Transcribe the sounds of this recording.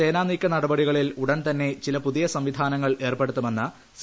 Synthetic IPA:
eːnaːnikʲːɐnɐɽɐbɐɽiɣɐɭiluɽɐnt̪ɐnːe̞t͡ɕilɐpuðijɐsɐmʋid̪ʱaːnɐŋːɐɭe̞ːrpe̞ɽut̪ːume̞nːɐ | s

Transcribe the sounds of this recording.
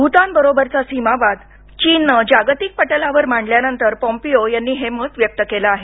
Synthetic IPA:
bʱut̪ãnbəɾobəɾt͡sasimabad̪ | t͡ɕiːnəd͡ʑaɡt̪ik̚pəʈəlaʋəɾmaɳɖljanənt̪əɾpɔ̃mpijojanːiːɦemət̪ʋjək̚t̪əkelaːɦe

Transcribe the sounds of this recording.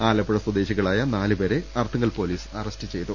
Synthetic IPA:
aːlɐpːuɽɐsɐd̪e̞ːɕiɣɐɭaːjɐnaːlɨbeːɾe̞ɐrt̪ʰɐŋːɐlpo̞ːliːsɐrɐstɨt͡ɕe̞jt̪ːu

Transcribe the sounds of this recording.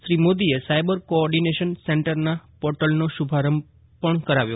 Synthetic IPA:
ʃɾimod̪iesajbəɾkoɔɾɖineʃənseɳʈəɾnapɔɾʈəlnoʃubʱaɾəm | pəɳkəɾaʋjo

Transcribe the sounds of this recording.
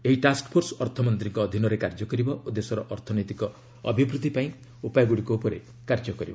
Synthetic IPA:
eɦiʈaskpʰoɾsɔɔɾt̪ʰɔmɔnt̪ɾiŋkɔːd̪ʱinɔɾekaɾd͡ʒɔkɔɾibɔʔud̪esɔɾɔʔɔɾt̪ʰɔnɔjt̪ikɔ | ɔbʱibɾut̪ipaĩ | upajaɡuɽikoupɔɾe | kaɾd͡ʒɔkɔɾḭbɔ

